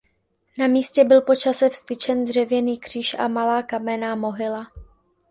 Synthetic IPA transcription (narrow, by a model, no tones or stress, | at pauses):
namiːscɛbɪlpo̞t͡ʃasɛfst̪ɪt͡ʃɛnd̪r̝ɛvjɛniːkr̝̥iːʃʔa̰malaːkamɛnamo̞ɦɪla